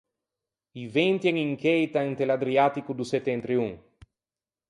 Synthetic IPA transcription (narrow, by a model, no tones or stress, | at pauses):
ivent̪jeŋiŋkejt̪aent̪elad̪ɾiat̪ikud̪uset̪ːent̪ɾiuŋ